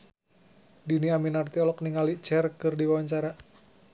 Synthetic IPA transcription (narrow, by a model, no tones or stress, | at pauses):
diniaminart̪iɔlɔk̚niŋalit͡ʃɛrkɨrdiwawaɲt͡ʃaɾa